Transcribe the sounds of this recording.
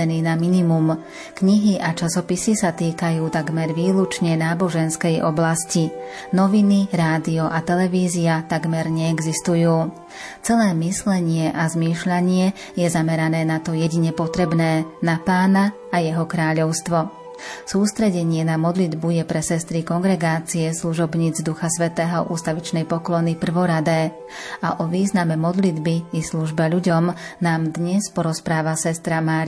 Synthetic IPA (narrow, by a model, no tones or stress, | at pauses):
ɛniːnaminimum | kɲiɦiʔat͡ʃasɔpisisat̪iːkajuːt̪aɡmɛɾʋiːlut͡ʃɲɛnaːbɔʒɛnskɛjʔɔ̰blasci | nɔʋiniɾaːd̪iɔʔat̪ɛlɛʋiːziat̪aɡmɛɾɲɛːɡzist̪ujuː | t͡sɛlɛːmislɛɲɪɛʔazmiːʃʎaɲɪɛ | jɛzamɛɾanɛːnat̪ɔjɛɟiɲɛpɔt̪ɾɛbnɛːnapaːnaː | jɛɦɔkɾaːʎɔʊst̪ʋɔ | suːst̪ɾɛɟɛɲɪɛnamɔd̪lid̪bujɛpɾɛsɛst̪ɾikɔŋɡɾɛɡaːt͡siɛsluʒɔbɲiːd͡zd̪uxasʋɛt̪ɛːɦɔʔuːst̪aʋit͡ʃnɛjpɔklɔnipr̩ʋɔɾad̪ɛː | aʔɔʋiːznamɛmɔd̪lid̪biisluʒbɛʎuɟɔmnaːmd̪ɲɛspɔɾɔspɾaːʋasɛst̪ɾamaːɾ